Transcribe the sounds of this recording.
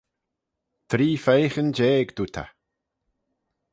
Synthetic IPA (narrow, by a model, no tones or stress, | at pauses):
t̪ʰɾiːfejxənd͡ʒeːɡd̪uːt̪ʰa̰